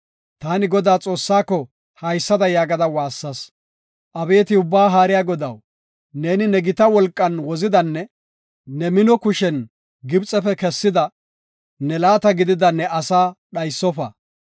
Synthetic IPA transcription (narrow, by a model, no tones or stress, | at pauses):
t̪aːnɪɡɔd̪aːt͡sʼo̞ːsːaːkːɔ | hɐjsːɐd̪ɐjaːɡɐd̪ɐwaːsːɐs | ʔɐbe̞ːt̪ɪʊbːaːɦaːɾɪjaːɡɔd̪ɐw | ne̞ːnɪnɛɡɪt̪ɐwɔlkʼːɐnwɔzɪd̪ɐnːɛ | nɛmɪnɔkʊʃɛn | ɡɪbt͡sʼɛfɛkɛsːɪd̪ɐ | nɛlaːt̪ɐɡɪd̪ɪd̪ɐnːɛʔɐsaːɗɐjsːɔfɐ̰